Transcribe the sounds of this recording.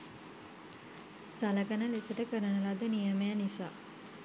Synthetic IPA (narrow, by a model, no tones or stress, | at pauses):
saləkənəlesəʈəkəɾənəlad̪ənijəmejanisa̰ː